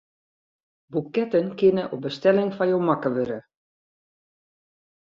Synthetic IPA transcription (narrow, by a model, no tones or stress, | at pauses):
bukɛtənkɪnəʔobəstɛlɪŋfajowmakəʋøɾə